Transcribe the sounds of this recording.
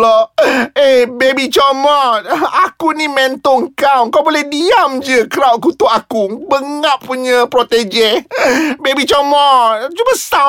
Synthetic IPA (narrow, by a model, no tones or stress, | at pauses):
lɔebebit͡ʃɔmɔt̪̚akunimɛ̃nt̪ɔŋkawkawbolɛhdiamd͡ʒəkəɾawʔkut̪ʊʔakubəŋaʔːuɲə̃pɾot̪ed͡ʒɛ | bebit͡ʃɔmɔt̪̚t͡ʃubəsa